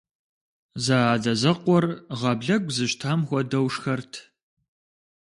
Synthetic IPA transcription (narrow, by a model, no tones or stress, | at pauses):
zaaːdɐzɐqʷɔrʁɐbɮɐɡʷzɨɕtʰaːmxʷɔdɐwʂxɐrtʰ